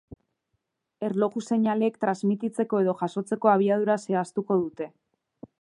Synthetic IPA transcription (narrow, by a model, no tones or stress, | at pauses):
e̞ɾlo̞ɣuse̞ɲale̞ːkt̪ɾazmit̪it͡se̞ko̞e̞ðo̞ʝaso̞t͡se̞ko̞aβ̞iað̞uɾase̞ast̪uko̞ð̞ut̪e̞